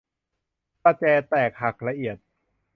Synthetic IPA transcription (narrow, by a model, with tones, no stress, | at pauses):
pa˧t͡ɕɛː˧t̪ɛː˨˩k̚ha˨˩k̚la˧ʔi˨˩ət̪̚